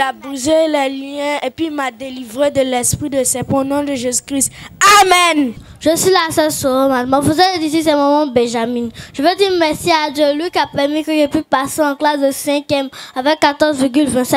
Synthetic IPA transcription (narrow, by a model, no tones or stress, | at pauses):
abuzelɛlijɛ̃epɥimad̪elivʁed̪əlɛspʁid̪əsɛpɔ̃nɔ̃d̪əʒezykʁist̪amɛn | ʒ̥əsɥilasɛlsoomat̪mɔfəzɛed̪isisɛmɔmɑ̃bɛ̃ʒamĩnʒ̥əvɛd̪iʁmɛʁsiad̪jølwikiapɛʁmikəʒɛpipaseɑ̃klasd̪əsɛ̃kjɛmavɛkkːat̪ɔʁzviʁɡylvɛ̃sɛ